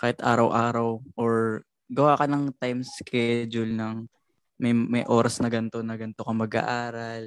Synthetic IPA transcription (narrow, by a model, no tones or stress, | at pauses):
kaːhɪt̪ʔa̰ːɾɐwʔaːɾɐwʔoɹ | ɡɐwaːkɐnɐŋt̪ajmskʰɛd͡ʒʊlnɐŋ | mɐjmɐjʔo̞ːɾɐsnɐɡɐnt̪o̞nɐɡɐnt̪okɐmɐɡa̰ʔaːɾɐl